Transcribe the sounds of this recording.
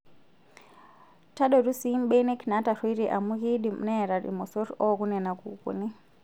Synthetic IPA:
ta˦ɗo˨ru˦si˦m̩ɓe˦ne˦kna˦ta˨rwi˦iɾi˨ʔa̰˨mu˦ɣi˦ɗi˨mṵ˨na˦e˨ɾa˨ɾḭ˨mo˨so˦ɾo˦ku˦ne˨na˨kṵ˨kṵ˨ni˦

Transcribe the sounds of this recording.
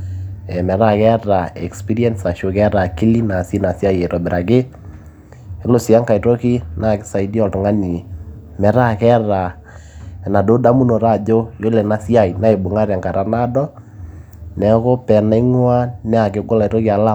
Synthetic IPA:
ɛ˨mɛ˨ɾa˦kɛ˦ɾa˨ɛ˨kspi˦ɾi˦ɛ˦nsa˨ʃo˨kɛ˦ɾa˨ki˦li˦na˨si˦na˨sja˦je˨ɾɔ˨bɪ˨ɾʔa˨ɡɪ˦ | ɪ˦lo˨si˨a˦ŋka˨i˨ɾo˦ki˦na˦kɪ˦sa˨i˦di˦ɔ˨lto˨ŋa˦ni˨ | mɛ˨ɾa˦kɛ˦ɾa˨ | na˨do˦da˦mu˦no˨ɾa˦˨d͡ʒo˦jo˦lɛ˨na˦si˦a˦˨i˨na˦e˨bo˨ŋa˦ɾja˨ŋka˨ɾa˦na˦dɔ˦ | nɛ˨˦ko˦pɛ˨na˨˦i˦ŋwa˦nɛ˦a˨kɪ˨ɡo˦la˨i˨ɾo˦ki˦a˨la˦

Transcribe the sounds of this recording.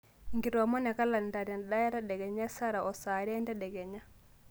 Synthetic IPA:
ŋɡi˨ɾɔ˨mɔ˦nɛ˨ka˦la˨nda˨ɾja˨nɗa˦jɛ˦ɾa˦ɗɛ˨ɡɛ˨ɲa˦sa˦ɾa˨ʔɔ˨sa˨ɾɛ˦nda˦ɗɛ˨ɡɛ˨ɲa˦

